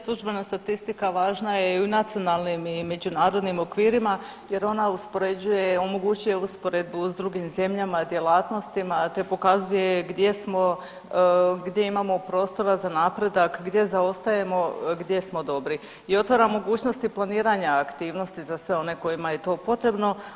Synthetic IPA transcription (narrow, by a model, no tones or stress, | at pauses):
slˠuʒbe̞nast̪at̪ist̪ikaʋaːʒnajeunat̪sio̞naːlˠnimime̞d͡ʑunaːɾo̞d̪nimo̞kʋiːɾima | je̞ɾo̞nauspo̞ɾe̞d͡ʑuje̞o̞mo̞ɡuːt͡ɕuje̞uspo̞ɾed̪̚buzd̪ɾuɡimze̞mʎamad̪je̞lˠaːt̪no̞st̪imat̪e̞po̞kazuje̞ɡd̪je̞smo̞ | ɡd̪je̞imamo̞pɾo̞ːst̪o̞ɾazanaːpɾe̞d̪akɡd̪je̞zao̞st̪aje̞mo̞ɡd̪je̞smo̞d̪o̞bɾi | io̞t̪ʋaɾamo̞ɡuːt͡ʃno̞st̪iplˠaniːɾaɲaːkt̪iːʋno̞st̪izasʋe̞o̞ne̞ko̞jimaje̞t̪o̞ːpo̞t̪ɾe̞bno̞